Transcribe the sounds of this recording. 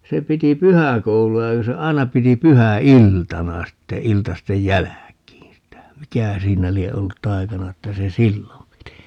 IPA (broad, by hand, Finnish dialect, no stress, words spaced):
se piti pyhækouluɑ jɑ ku se ɑi̯nɑ piti pyhæiltɑnɑ sitːe iltɑstej jælækiːn̞ sitæ mikæhæ siːnæ lie olːut tɑi̯kɑnɑ etːæ se silːom piti